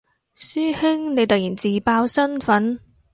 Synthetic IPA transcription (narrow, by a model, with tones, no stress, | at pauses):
syː˥hɪ˥ŋne˨˧jt̪ɐ˨k̚jiː˨˩nt͡siː˨paː˧wsɐ˥nfɐ˨˥n